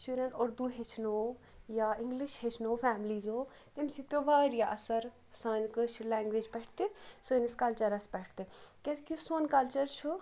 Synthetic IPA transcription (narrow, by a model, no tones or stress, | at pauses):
t͡ʃuɾənoɾd̪uːɦet͡ʃʰnoː | jaːɪ̃ŋɡlɪʃɦet͡ʃʰnoːpʰɛːmliːzoː | t̪emsit̪̚pʲoːʋaːɾijaʔɐsəɾ | sãːnkəʃʰlɛːŋɡʋeːd͡ʒpɛːʈʰt̪eːsəːnɪskɐlt͡ʃəɾəspɛːʈʰt̪eːkɛ̃skisoːnkɐlt͡ʃəɾt͡ʃʰu